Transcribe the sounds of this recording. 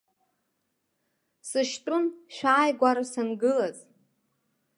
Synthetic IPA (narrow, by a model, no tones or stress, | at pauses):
sɨʃtʼʊnʃʷᶣaːjɡʷaɾasanɡɨlaz